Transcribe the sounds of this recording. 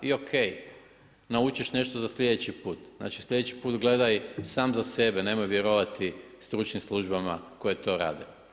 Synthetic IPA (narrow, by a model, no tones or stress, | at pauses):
io̞kʰej | naut͡ʃiʃne̞ʃt̪ozasʎʲed̪et͡ɕipuːt̪zna̰ːt͡ʃi̥slʎʲed̪et͡ɕi̥puːt̪ɡle̞d̪ajsaːmzase̞be̞neːmojʋjeɾoʋat̪ʰi | st̪ɾut͡ʃnimslˠuʒbamako̞jet̪o̞ːɾa̰ːd̪e